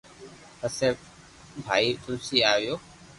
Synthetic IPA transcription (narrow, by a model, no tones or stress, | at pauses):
əse | bʱa̰ːiːt̪ʊlsiːaːʋjoː